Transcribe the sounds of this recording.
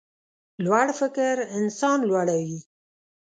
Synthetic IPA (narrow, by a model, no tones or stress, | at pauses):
lwaɽfɪkɾɪnsɑnlwaɽawi